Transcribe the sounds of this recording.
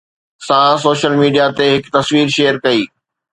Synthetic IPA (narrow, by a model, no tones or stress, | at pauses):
sãːsoːʃəlmiːɖijat̪eɦɪkt̪ɐsʋiːɾʃeːəɾkɐiː